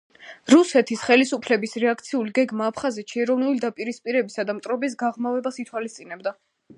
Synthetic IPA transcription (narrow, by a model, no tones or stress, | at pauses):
ɾusɛt̪ʰisχɛlisupʰlɛbisɾɛak̚ʰt̪sʰiuliɡɛɡmaːpʰχazɛt̪ʃiɛɾɔvnulid̪apʼiɾispʼiɾɛbisad̪amt̪ʼɾɔbis̬ɡaʁmavɛbasit̪ʰwalist̪sʼinɛbd̪a